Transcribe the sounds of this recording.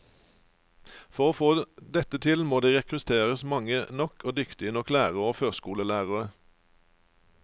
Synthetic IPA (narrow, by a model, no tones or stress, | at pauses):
fɔʁoːfoːd̪ɛt̪ət̪ʰɪlmoːd̪iːʁɛkʁʉt̪ʰeːʁəsmɑŋənɔkʰoːd̪ʏkt̪ɪənɔklæːʁəoːføːskuːləlæːʁəʁə